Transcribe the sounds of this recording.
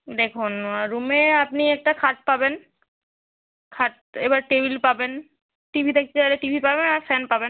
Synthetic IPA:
d̪ekʰunaɾumeapniɛk̚ʈakʰaʈ̚paben | kʰaʈ̚ | ebaɾʈebilpaben | ʈibʱit̪ʰek̚ʰtʰealeʈibʱipabenaɾfɛnpaben

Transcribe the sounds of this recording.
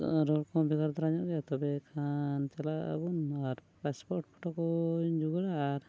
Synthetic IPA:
ɾɔlkʰɔ̃bɛɡaɾd̪ɔɾaɲɔɡat̪ɔbɛkʰant͡ʃɛlaa̰bunaɾ | paspɔɾʈ̚pʰɔʈɔkɔd͡ʒuɡɔɾaːɾ

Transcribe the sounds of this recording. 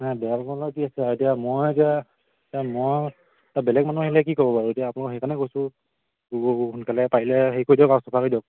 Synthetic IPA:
nabɛakɔnlɔkiasɛaɹuetijamojtia | tamɔj | tabɛlɛk̚manuaɦilɛk̬ikɔbɔpaɹuetijaːpʊnakɔhejkanɛkojsʊ̃ | xʊnkalɛpailɛɦejkojdɔkasɔpʰakojdɔk̚

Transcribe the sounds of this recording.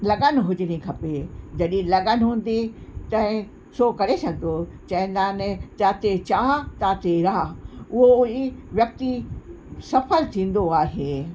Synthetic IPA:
lɐɡənɦʊd͡ʑɪnĩkʰɐped͡ʑɐɗĩlɐɠənɦũːn̆d̪it̪ɐ̃ɦɪ̃ | sokɐɾesɐɡɪnot͡ɕɐ̃ɦɪ̃nd̪aːnɪt̪aːt̪et͡ɕaːɦt̪aːt̪eɾaːʊɦoiʋjɐk̚t̪i | sɐfəlt̪ʰĩːn̆d̪oaːɦeː

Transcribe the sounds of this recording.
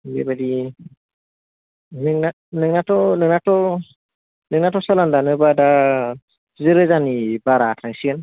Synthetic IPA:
bḛbadi | nɯŋna | nɯŋnatɔnɯŋnatɔ | nɯŋnatɔsalandanɯbada | zɯɾɯzanibaɾatʰaŋsian

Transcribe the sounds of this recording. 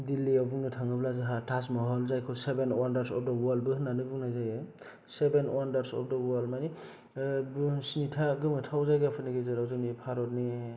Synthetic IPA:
dilːiɔbuŋnɯtʰaŋɡɯblazɯɦatʰasmɔɦɔlzajkʰɯsebenwandaɾsɔp̚ʰdɔwɔl̚bɯɦɯnanɯbuŋnajzajɯ | sebenwandaɾsɔ̰p̚ʰdɔwɔlmani | bsnitʰaɡɯmɯtʰawzajɡɯapʰɯniɡezɯɾawzɯnipʰaɾɔt̚ni

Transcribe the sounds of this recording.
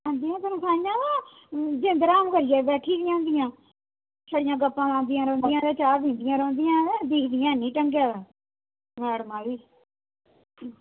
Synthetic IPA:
ãːnd̪ɪjãːt̪əɾõːsãːjãːaː | d͡ʒẽnd̪əɾaːmkəɾɪjɛːbɛːʈʰiːdɪjãːnd̪ɪjãː | t͡ʃʰəɽɪjãːɡəpːãːmãːnd̪ɪjãːɾɔ̃ːnd̪ɪjãːd̪ɛːt͡ʃaːɾbĩːnd̪ɪjãːɾɔ̃ːnd̪ɪjãːd̪iːkʰd̪ɪjãːnĩːʈəŋɡjaːʋaː | maːɽmãːʋiː

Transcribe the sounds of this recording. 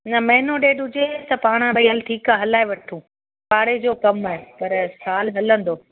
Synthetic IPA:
nɐmɐɦɪnoɗeːɗɦʊd͡ʑet̪ɐpaːɽ̃ə̃bɐəlʈ̪ʰiːkaːɦɐlaːeʋɐʈʰũː | paːɽed͡ʑoːkɐmaːepɐɾsaːlɦɐlə̃nd̪oː

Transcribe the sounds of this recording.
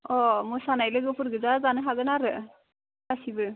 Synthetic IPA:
ɔmujsanajlɯɡɯpʰɯɾɡɯzazanɯɦaɡɯnaɾɯ | kasibɯ

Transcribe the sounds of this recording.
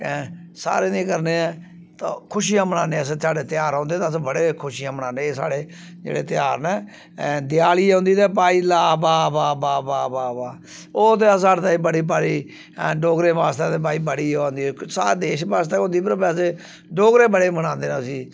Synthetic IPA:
ɛsa̰ːɾeːnĩːkəɾneːɛː | t̪ãːkʰʊʃijãːmənaːnẽːəssaːɽeːt̪ɪjaːɾãːnd̪eːt̪ːsbəɽeːkʰʊʃijãːmənãːnẽːsa̰ːɽeː | d͡ʒḛːɽḛːt̪ɪjaːɾnɛː | d̪ɪjaːliːãːnd̪iːt̪eːp̬aːiːlaːbaːbaːbaːbaːbaːbaː | oːt̪̬eːsaːɽt̪aːibəɽiːp̬aːɾiː | ɖoːɡɾeːʋaːst̪eːt̪ẽːp̬aːiːbəɽiːãːnd̪iːɛsaːd̪eːʃbaːst̪eːõːnd̪iːpəɾbɛːseː | ɖoːɡɾeːbəɽeːməñãːnd̪eːnːsiː

